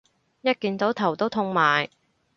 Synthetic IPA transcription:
jɐ˥t̚kiː˨˧nt͡so˨˥wt̪ʰɐ˨˩wt̪o˥wt̪ʰʊ˧ŋmaː˨j

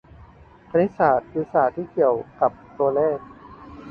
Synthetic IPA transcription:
pʰa˧ni˦˥saː˨˩t̪̚ji˧˦˥saː˨˩t̪ʰːiː˥˩ki˨˩əwka˨˩p̚t̪u˧ɐlɛː˥˩k̚

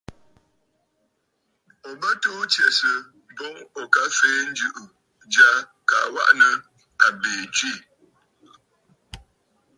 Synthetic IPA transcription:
o˨bə˦tuː˦tjɛ˨sə˨ | bɔ˦ŋɔ˨ka˦feː˨˦n̩˦d͡ʒʉ˨ʔu˨ | d͡ʒa˦ | ka̰˨wa̰˦ʔnə˨ | a˨beː˨t͡ʃi˦˨

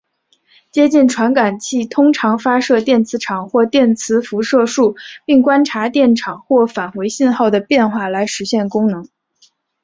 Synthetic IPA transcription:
t͡ɕjɛ˥t͡ɕi˥˩nʈ͡ʂʰwa˧˥nka˨˩nt͡ɕʰi˥˩t̪ʰʊ˥ŋʈ͡ʂʰɑ˧˥ŋfa˥ʂɤ˥˧t̪jɛ˥˩nt͡sʰɹ̩˧˥ʈ͡ʂʰɑ˨˩ŋxwɔ˥˧t̪jɛ˥˩nt͡sʰɹ̩˧˥fu˧˥ʂɤ˥˧ʂu˥˩pi˥˩ŋkwa˥nʈ͡ʂʰa˧˥t̪jɛ˥˩nʈ͡ʂʰɑ˨˩ŋxwɔ˥˩fa˨˩nxwe˧˥ɪɕi˥˧nxɑ˥˩ʊd̪ə˩pjɛ˥˧nxwa˥˩la˧˥ɪʂɻ̩˧˥ɕjɛ˥˩nkʊ˥ŋnɤ˧˥ŋ

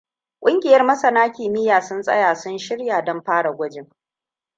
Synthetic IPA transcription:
kʷʼʊ˦ŋɡʲɪ˨jɐ˦rmɐ˦sɐ˨naː˦kʲiː˨mɪ˦jaː˨sʊ˦nsʼɐ̰˦jaː˨sʊ˦nʃɪ˦ɽjaː˨dɔ˦mɸaː˦ɽa˨ɡʷʊ˦d͡ʒɪ˦ŋ

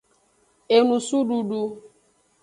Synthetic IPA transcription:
e˨nũ˨su˦ɖu˦ɖu˧

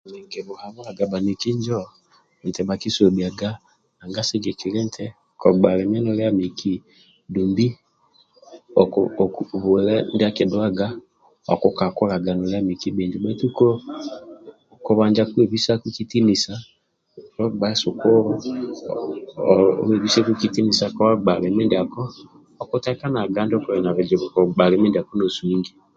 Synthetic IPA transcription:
nɛ˨ŋɡɛ˨βɔ˨ha˨mu˦a˨ɡa˨ba˨ni˨ki˦ɲd͡ʒɔ˦ | n̩˨tɛ˨ba˨ki˦so˨bi˨a˨ɡa˦ | a˨ŋɡa˦sɛ˦ɡɛ˨ki˨lɛ˦n˦tʰɛ˦ | kɔ˨ɡ͡ba˨lɛ˨m˦ɛ˦nɔ˦lja˦mi˨kʰi˦ | du˨mbi˦ | ɔ | βu˨lɛ˦n˦da˦ke˨dwa˦ɡa˦ | ɔ̰˨kɔ˦ka˨kɔ˦la˨ɡa˨nɔ˨lja˦mi˨ki˦be˨ɲd͡ʒu˨bɛ˦tu˦ko˦ | ku˨βaː˨ɲd͡ʒa˨kwe˨βi˦sa˦ku˦ki˦ti˦ni˨sa˦ | ɔ˦ɡ͡ba˦ɛ˦su˨kɔ˦ɾɔ˦ | e˨βi˦se˦ku˦ki˦ti˦ni˨sa˨kɔ˦βa˦ɡ͡ba˨le˨me˦ndi˨a˨kɔː˦˨ | ku˦tɛ˦ka˦na˨ɡa˦ndi˦ɔ˦kɔ˨ɾɛ˨na˨βɛ˨d͡ʒi˨βu˨kɔ˨ɡ͡ba˨le˨˦me˦ndi˨a˨ko˦no˨su˨iː˦ŋɡi˦

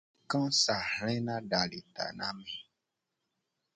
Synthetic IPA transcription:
kã˦sa˨hl̃ɛ̃˦nã˦ɖa˨li˨t̪a̰˨nã˦mĩ˨

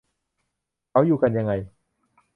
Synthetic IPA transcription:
kʰa˦˥wjuː˨ka˧nja˧ŋːa˧j

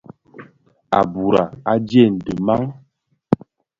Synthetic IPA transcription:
a̰˨bu˨ɾa˨a˦d͡ʒjɛ˦˨n̩˨də˨ma˦ŋ

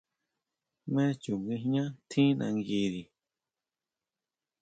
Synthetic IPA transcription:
mɛ̃˦t͡ʃu˨ŋɡɨ˧ɦɲã˦t̪ʰĩ˦nã̰˧ŋɡi˧ði˨

